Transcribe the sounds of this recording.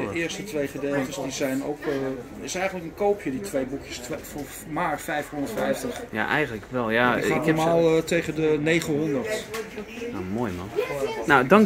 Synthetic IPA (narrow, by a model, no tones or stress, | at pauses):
əɪəstətʋejχədelˠtəsdizɛjno̰wk | ɪsɛjχəntləkənkoːpʰjəditʋejbukjəsf | maːɹfɛjfhɔndəɹtfɛjftəχja̰ʔɛjɣənəkʋɛlˠjaəmaːlˠtejχədənejχənɦɔndərt | na̰moːjmɑ̰nnawdɑŋ